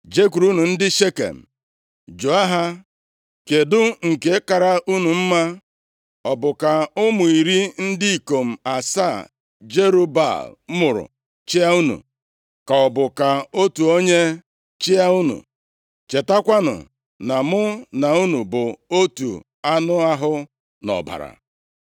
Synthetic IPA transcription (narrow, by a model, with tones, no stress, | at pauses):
d͡ʒe˦k̬u˨ɾu˦nu˨n̩˦dɪ˦ʃe˦kḛ˨m̩˨ | d͡ʒo˨a˦ɦa˦ | ke˨dʊ˦ŋ̩˨ke˦ka˨ɾa˦ʔu˦nu˨m̩˦ma˦ | ɔ˨bʊ˨ka˨ʊ˦mʊ˨i˨ɾi˦n̩˦dɪ˦i˨ko˨m̩˨a˨sa˦˨ | d͡ʒe˦ɾu˦ba̰˦˨lmʊ˨ɾʊ̰˨ | t͡ʃɪ˦a˦u˦nṵ˨ | ka˨ɔ˨bʊ˨ka˨o˦tu˨o˦ɲe˦ | t͡ʃɪ˦a˦u˦nṵ˨ | t͡ʃe˨ta˦kʷa˦nʊ̰˨ | na˨mʊ˦na˨u˦nu˨bʊ˨o˦tṵ˨ | a˦nʊ˦a˦ɦʊ˦ | nɔ̰˨ba̰˨ɾa̰˨